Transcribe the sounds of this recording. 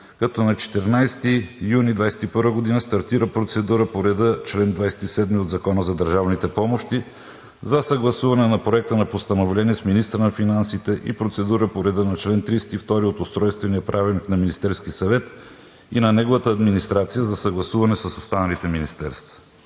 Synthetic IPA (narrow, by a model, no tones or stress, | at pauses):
kɐt̪ɔnɐt͡ʃɛ̥t̪ɛɾnajst̪ijunid̪vajsɛ̥t̪ipɤɾvəɡod̪inəst̪ɐɾt̪iɾəpɾot̪sɛd̪uɾəpoɾɛd̪ət͡ʃlɛnd̪vajsɛ̥t̪isɛd̪miod̪zɐkɔnəzɐd̪əɾʒavnit̪ɛpɔmoʃt̪i | zɐsɐɡlˠɐsuvɐnɛnɐpɾoɛk̚t̪ənɐpost̪ɐnovlɛniɛsminist̪ɾənɐfinansit̪ɛʔḭpɾot̪sɛd̪uɾəpoɾɛd̪ənɐt͡ʃlɛnt̪ɾisɛ̥t̪ift̪ɔɾiot̪ʊst̪ɾɔjst̪vɛniəpɾʔavilˠniknɐminist̪ɛɾskisɐvɛt̪ | inɐnɛɡovɐt̪əːd̪minist̪ɾat̪sijəzɐsɐɡlˠɐsuvɐnɛsəsost̪anɐlit̪ɛminist̪ɛɾst̪vɐ̥